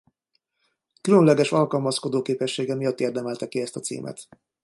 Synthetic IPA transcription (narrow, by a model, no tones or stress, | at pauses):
kylønlɛɡɛʃɒlkɒlmɒsko̞d̪oːkeːpɛʃːeːɡɛmijɒt̪ːeːrd̪ɛmɛlt̪ɛkiɛst̪ɒt̪sḭːmʔɛ̰t̪